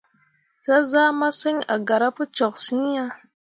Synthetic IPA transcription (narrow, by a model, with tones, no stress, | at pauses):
za˦za˦ma˦sə˦ŋa̰˨ɡa˨ɾa˦pu˦t͡ʃɔ˨ksi˦ɲ˦ja˦